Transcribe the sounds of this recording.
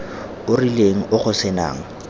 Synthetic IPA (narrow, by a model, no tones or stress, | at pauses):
ʊrileŋ̩ʔʊχʊsɪna̰ːŋ̩